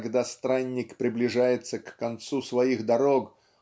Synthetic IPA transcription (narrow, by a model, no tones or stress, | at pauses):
ɡd̪ast̪ɾanʲːɪkpɾʲɪblʲɪʐajɪt̪səkːɐnt̪susvɐiɣd̪ɐɾok